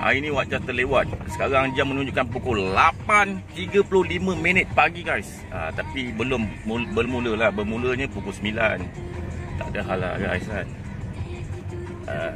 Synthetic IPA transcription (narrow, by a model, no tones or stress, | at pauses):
ʔa̰inĩwaʔ̚d͡ʒat̪əlewat̪̚sə̥kaɾaaŋd͡ʒamənũɲd͡ʒuʔkanpukɔlapant̪iɡəplʊhlimə̃mĩnət̪̚paɡiɡajs | ʔa̰t̪apibəlʊmːubəlmũləlahbəmũləɲãpukɔlsəmilant̪a̰ʔdaɦalaa̰ɡa̰jsan | ə̰